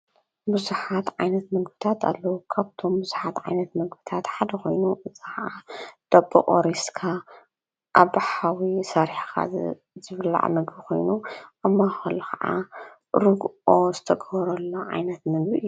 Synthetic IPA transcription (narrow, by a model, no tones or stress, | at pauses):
buzuħat̪ʕajnɐt̪mɐɡbit̪ʰat̪ʰa̰lːɐwukʰaβt̪ʰo̞mbuzuħat̪ʕa̰jnɐt̪mɐɡbɨt̪ʰat̪ħad̪ɐko̞jnuʔɨzixaʔad̪̥ɐbɐ̰ʔʼo̰ɾiskʰa | ʔaβħawisɐɾħkʰa̰ | zɨβla̰ʕmɐɡbixo̞̰jnuʔɐmːaxɐlɐkɐʔa̰ | ɾɨɡozɨt̪ʰɐɡɐβɾɐlːoʕa̰jnɐt̪mɐɡbiɨjːu